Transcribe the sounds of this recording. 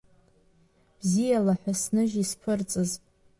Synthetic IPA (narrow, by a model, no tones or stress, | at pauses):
b̥zijalaħʷᶣasnɨʒispʰʊrt͡sʼɨz